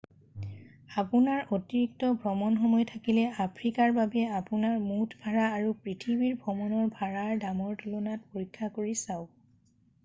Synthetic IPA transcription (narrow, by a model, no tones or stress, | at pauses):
apunaɹotiɹik̚tɔbʱɹɔmɔnxɔmɔjtʰakilɛapʰɹikaɹbabɛapunaɹmutʰbʱaɹaːɹupɹitʰibiɹbʱɹɔmɔnɔɹbʱaɹaɹdamɔɹtulunat̚poɹikʰːakoɹisaʊ